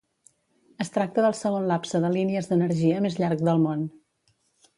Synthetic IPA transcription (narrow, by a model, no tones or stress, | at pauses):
əst̪ɾak̚t̪əðəlˠsəɣ̞onlapsəðəliniəzðənəɾʒiəmezʎaɾk̚d̪əlˠmon